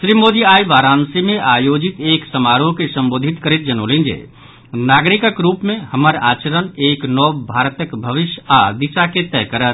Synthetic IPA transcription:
ʃɾimoːd̪iaːiʋaːɾaːnsimẽʔaːjod͡ʒit̪eːksəmaɾokesə̃mboːd̪ʱit̪kəɾet̪̚d͡ʒəno̰ːlẽnd͡ʒḛː | naːɡɾikəkɾuːpmẽhəməɾa̰ːt͡ʃəɾəneːknɔːbʱaːɾt̪əkbʱəʋɪʃjad̪ɪsaket̪ɛːkəɾət̪

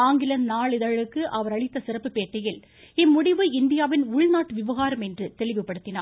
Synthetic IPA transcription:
aːŋɡɪlɐnnaːɭɪðɐɻɯkːɯʔɐʋɐɾɐɻɪt̪ːɐsɪrɐpːɯpeːʈːɐjɪl | ɪmːʊɽɪʋɯɪnd̪ɪjaːʋɪnʊɻnaːʈːɯʋɪʋɐɣaːɾɐmɛndrɯt̪ɛɭɪʋɯpːɐɽɯt̪ːɪna̰ː

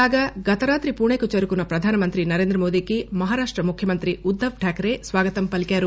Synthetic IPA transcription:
aːɡɐɡɐt̪ɐɾaːt̪ɾipuːɳeːkut͡ʃɐɾukunɐpɾɐd̪ʱaːnɐmɐnt̪ɾinɐɾeːnd̪ɾɐmoːd̪ikimɐɦaːɾaːʂʈɾɐmukʰjɐmɐnt̪ɾiud̪ʱːɐʋʈʰaːkɐɾesʋaːɡɐt̪ɐmpɐlikaːɾu

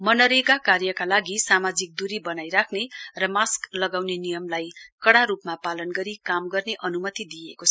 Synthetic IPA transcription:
mʌnʌɾeɡakarjʌkalaɡisamad͡zik̚d̪uɾibʌnajɾakʰnerʌmasklʌɡawnenijʌmlajkʌɽaɾupmapalʌnɡʌɾikamɡʌrneʔʌnumʌt̪id̪ijekot͡sʰʌ

